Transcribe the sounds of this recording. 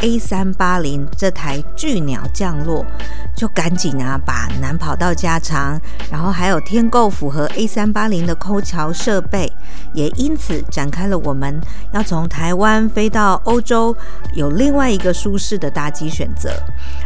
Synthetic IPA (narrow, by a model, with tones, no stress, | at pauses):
e˥ɪsa˥npa˥li˧˥ŋʈ͡ʂɤ˥˧˩t̪ʰa˧˥ɪt͡ɕy˥˩njɑ̰˨˩ʊt͡ɕjɑ˥˧ŋlwɔ˥˩ | t͡ɕjo˥˩ʊka˧˥nt͡ɕi˨˩ŋɐ˧˦pa̰˨˩na˧˦˥npʰɑ˨˩ʊt̪ɑ˥˩ʊt͡ɕja˥ʈ͡ʂʰɑ˧˥ŋ | ɻa˧˥nxo˥˩xa˧˥ɪjo˨˩ʊt̪ʰjɛ˥nko˥˩ʊfu˨˩xɤ˧˥ʔe˥ɪsa˥npa˥li˧˥ŋd̪ə˨kʰo˥ʊt͡ɕʰjɑ˧˥ʊʂɤ˥˧pe˥˩ɪ | jɛ˨˩ʔi˥nt͡s̩ʰ˨˩˦ʈ͡ʂa˨˩nkʰa˥ɪlə˨wʔɔ˨˩mə˦n | jɑ˥˩ʊt͡sʰʊ˧˥ŋt̪ʰa˧˥ɪwa˦nfe˥ɪt̪ɑ˥˩ʊʔo˥ʊʈ͡ʂo˥ʊ | jo˨˩ʊli˥˧ŋwa˥˩ɪi˧˥ɡə˨ʂu˥ʂɻ̩˥˩d̪ə˩t̪a˥˩t͡ɕi˥ɕɥɛ̰˨˩nt͡sɤ̰˧˦